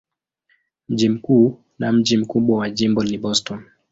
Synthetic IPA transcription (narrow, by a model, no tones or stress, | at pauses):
m̩ʄim̩kuː | nam̩ʄim̩kuɓwawad͡ʒimbɔniɓɔstɔn